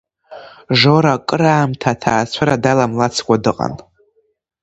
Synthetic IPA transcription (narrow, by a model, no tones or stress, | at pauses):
ʐoɾakʼɨɾaːmtʰatʰaːt͡sʷʰaɾadalamlat͡sʰkʷʼadɨqʼa̰n